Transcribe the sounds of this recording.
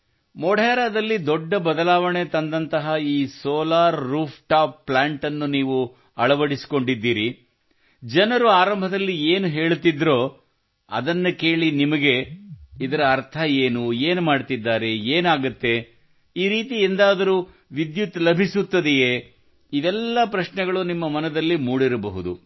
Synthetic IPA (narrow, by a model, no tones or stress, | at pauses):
mɔɽɛːɾaːd̪ɐlːid̪ɔɖːɐbɐd̪ɐlaːʋɐɳe̞t̪ɐnd̪ɐnt̪ɐɦɐiːsoːlaːɾːuːpʰʈaːpːlaːɳʈɐnːuniːʋu | ɐɭɐʋɐɽisi̥ko̞ɳɖid̪ːiːɾi | d͡ʒɐnɐɾuaːɾɐmbʱɐd̪ɐlːieːnuɦe̞ːɭt̪id̪ːɾo̞ː | ɐ̰d̪ɐnːuke̞ːɭinimɐɡe̞id̪ɐɾɐːɾt̪ʰɐeːnueːnumaːɖt̪id̪ːaːɾe̞eːnaːɡut̪ːe̞ | iːɾiːt̪iend̪aːd̪ɐɾu | ʋid̪jut̪ːlɐbʱisut̪ːɐd̪ije | id̪ɛlːɐpɾɐʃnɛɡɐɭunimːɐmɐnɐd̪ɐlːimuːɽiɾɐbɐɦud̪u